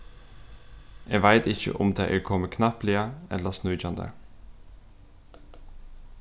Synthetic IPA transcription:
ʔeːʋæɪt̪ɪçə̰ʔʊmd̪eːʔeːkʰɔməkʰnɑplɪəɛ̰ləsnʉd͡ʒɑnd̪ə̰

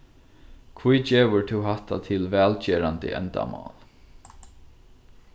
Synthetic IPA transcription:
kʰvujd͡ʒeːʋəɹt̪ʰuwɦaht̪at̪ʰɪlʋɛːlt͡ʃeːɾant̪ɪ̰ʔɛ̰nt̪a̰mɑ̰ːl

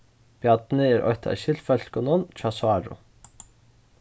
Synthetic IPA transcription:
b̥jɑt̪n̩əeːɾʔɔ̰ʏt̪ʰɑ̰ʃɪlfœlkʊnɔnt͡ʃɑsʊɑːɹʊ̰

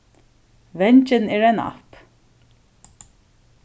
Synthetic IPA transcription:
ʋɛɲt͡ʃɪnɛːɹana̰p

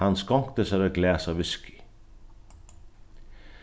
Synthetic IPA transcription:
anskɔŋ̥kt̪əsæɾaɡlɛːsavɪskɪ̥

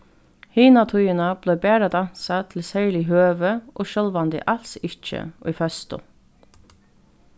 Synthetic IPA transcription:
hiːnat̪ʰʊjənab̥lɛɪbæːɾad̪an̥sat̪ʰɪl̩sæɪlɪɦøːʋəʔo̰ːʃœːlʋɛnd̪ɪ̰ʔal̥sɪt͡ʃə̰ʏ̰ːfœst̪ʊ̰

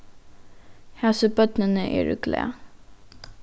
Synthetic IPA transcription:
hɛsəbœt̪nənəʔḛːɾʉ̰ɡlɛ̰ː

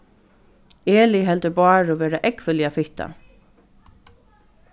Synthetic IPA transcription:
eːlɪɦɛlt̪əbɑːɹoːʋeːɾaʔɛkʋɪljafɪht̪a̰

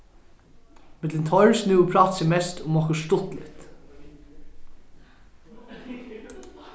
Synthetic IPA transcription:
mɛd̪ɛnt̪ʰɔɹsnʉːəpʰɾɑt̪sɛmɛst̪ʰʊmɔkəʃʈʊt̪lɪ̰t̪

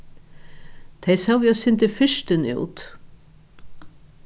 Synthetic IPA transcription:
t̪ʰejsawviasɪnt̪ɪfɪʂt̪ɪnṵwt̪

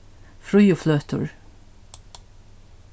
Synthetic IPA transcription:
fɾʉjʊfløːt̪ə̰ɹ

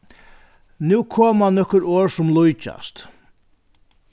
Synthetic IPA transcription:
nuːkʰoːmanɔhkʊɾoːɹsʊmlʊjt͡ʃa̰st̪

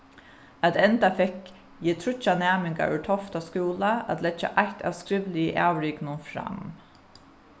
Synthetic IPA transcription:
at̪ɛnt̪afɛk | jiːt̪ʰɾʏt͡ʃːanæːmɪŋka̰ʏ̰t̪ʰɔft̪askuːlaæ̰t̪lɛt͡ʃːa̰ʔaht̪ʰa̰ʋskɾɪʋlɪəʔaːʋɹɪːknʊnfɾa̰m

